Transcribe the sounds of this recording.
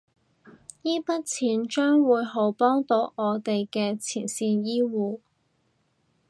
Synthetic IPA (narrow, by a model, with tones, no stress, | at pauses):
jiː˥pɐ˥t̚t͡sʰiː˨˥nt͡ʃœː˥ŋwuː˨˧jɦo˨˥wpɔː˥ŋt̪o˨˥wʔɔː˨˧t̪e˨jkɛː˧t͡sʰḭː˨˩nsiː˧njiː˥wuː˨˩